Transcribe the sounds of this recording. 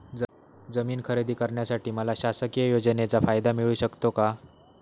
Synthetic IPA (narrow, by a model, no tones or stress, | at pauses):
d͡zəmiːnkʰəɾed̪iːkəɾɳjasaʈiːməlaɕasəkijəjod͡zənet͡safajd̪amiɭuːɕəkt̪oka